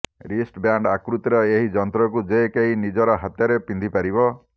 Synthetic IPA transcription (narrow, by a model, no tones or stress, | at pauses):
ɾisʈbjaɳɖakɾut̪ɾɔeɦid͡ʒɔnt̪ɾɔk̬ud͡ʒekeɦinid͡ʒɔɾɔɦat̪jɔɾepind̪ʱipaɾibɔ